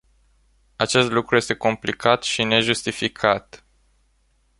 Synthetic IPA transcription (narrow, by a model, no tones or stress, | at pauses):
at͡ʃe̞st̪lukɾuje̞st̪e̞ko̞mplikat̪ʃine̞ʒust̪ifikʰat̪